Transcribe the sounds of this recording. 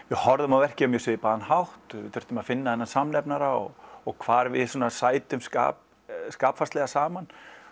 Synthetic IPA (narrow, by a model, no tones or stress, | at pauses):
vɪhɔɾðʏmawɛhcɪʏmjɛseːjɪpaːðanhawht̪ɪtθœ̥ɾ̥t̪ʏmaðfɪnːaðɛnːansamnɛpnaɾaɔ̰ɣɔɣkʰv̥aːɾvɪðsuːnasaːjt̪ʏmska̰ːp | skaːpfast̪lɛɣasaːman